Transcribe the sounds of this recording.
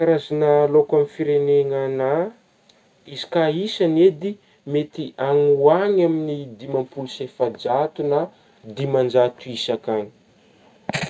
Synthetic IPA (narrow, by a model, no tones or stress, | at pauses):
aɾazanalokamifiɾeneŋana | izi̥kaisaned̪i | met̪iʔaŋuaɲaminid̪imampulsefad͡ʒat̪una | d̪imand͡ʒat̪uisakani̥